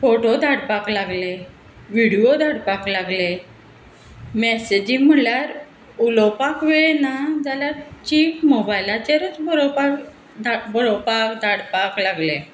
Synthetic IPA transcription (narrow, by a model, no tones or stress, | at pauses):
foʈod̪ʱaɽpaklaɡle | ʋiɽiod̪ʱaɽpaklaɡle | mɛsed͡ʑĩm̤əljaɾ | ulɔpakʋeɭnad͡zaljaɾt͡ɕiːfmobajlat͡ɕeɾət͡sbɔɭɔpak | d̪abɔɭɔpakd̪ʱaɽpaklaɡlẽ